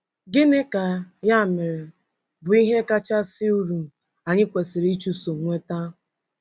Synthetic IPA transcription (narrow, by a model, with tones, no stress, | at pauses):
ɡɪ˦ne˦ka˨ja˦˨mɪ˨ɾɪ˨ | bʊ˨i˦ɦe˦ka˦t͡ʃa˦sɪ˦u˦ɾu˨ | a˨ɲɪ˦kʷe˨sɪ˨ɾi˦t͡ʃu˦so˨ŋʷe˦ta˦